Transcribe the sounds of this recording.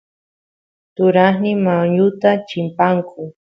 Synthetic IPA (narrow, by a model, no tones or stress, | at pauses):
t̪ʊɾaχnɪmawɲʊt̪at͡ʃɪmpaŋkʰʊ